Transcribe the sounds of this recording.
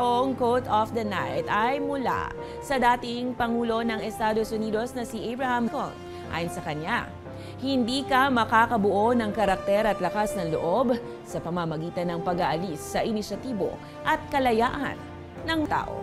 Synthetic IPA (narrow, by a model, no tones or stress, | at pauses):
ʔoŋkot̪ɔfd̪ɐna̰jt̪ɐjmʊla̰ | sɐd̪aːt̪ɪŋpɐŋuːlo̞nɐŋɛst̪aːd̪osʊniːd̪o̞snɐsiʔabɹɐhɐmko̰n | ʔa̰ːjonsɐkɐɲa | hɪnd̪iːkɐmɐkaːkɐbʊʔo̞nɐŋkɐɾɐk̚t̪ɛɾɐt̪lɐkasnɐŋlo̰ʔo̞b | sɐpɐmɐmɐɡiːt̪ɐnːɐŋpɐɡaʔɐlisːɐʔɪnɪʃɐt̪iːbo̞̰ | ʔɐt̪̚kɐlɐja̰ːʔɐ̰nː | ɐŋt̪a̰ːʔo̰